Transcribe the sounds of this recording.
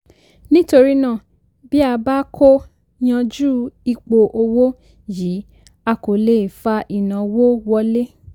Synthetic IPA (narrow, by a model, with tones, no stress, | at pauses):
nĩ˦to˧ɾi˦nã˦˨ | bi˦a˧ba˦kʰo˦ | j̃ã˧d͡ʒuː˦i˧k͡po˧ʔo˧wo˦ | ji˨˦ | a˧ko˨le˨fa˧ʔi˨nã˨wo˦wɔ˧˦le˦